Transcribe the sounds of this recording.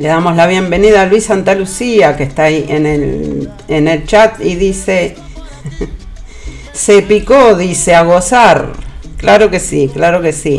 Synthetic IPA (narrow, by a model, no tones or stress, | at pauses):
le̞ðamo̞slaβ̞je̞mbe̞niðaːlwisant̪alusiakest̪aiʔenel | ene̞lt͡ʃat̪iðise | sepikoðiseaɣosaɾklaɾo̞ke̞siklaɾo̞ke̞si